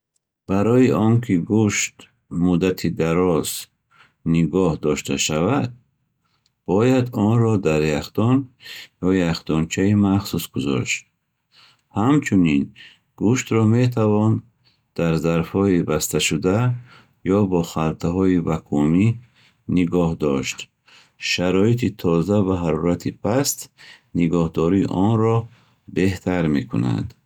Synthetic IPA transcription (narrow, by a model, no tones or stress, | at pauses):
b̥aɾɔiʔɔŋkʰiɡuʃt̪ | mud̪at̪ʰid̪aɾɔz̥ | niɡɔhd̪ɔʃt̪ʰa̰ʃavad̪̚ | b̥ɔjad̪ɔnɾɔd̪aɾjaχt̪ɔnjɔjaχt̪ɔnt͡ʃʰaimaχsusɡuzɔ̰ʃt̪̚ | hamt͡ʃʰunin | ɡuʃt̪ɾɔme̞t̪ʰavɔn | d̪̥aɾzaɾfhɔibast̪ʰaʃud̪a | jɔbɔχalt̪ʰaɦɔibakʰumi | niɡɔhd̪ɔʃt̪ | ʃaɾɔit̪ʰit̪ʰɔzavaɦaɾɔɾat̪ʰipʰast̪ | niɡɔhd̪ɔɾiːʔɔnɾɔ | be̞ht̪ʰaɾme̞kʰṵna̰d̪̥